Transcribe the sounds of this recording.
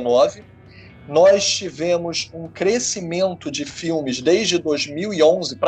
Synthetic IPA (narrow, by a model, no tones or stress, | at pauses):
nɔvɪ | nɔst͡ʃivẽmʊzũkɾesimẽnt̪ʊd͡ʒɪfiwmɪzd̪ejʒd͡ʒɪd̪ojzmiwiõzɪpɾ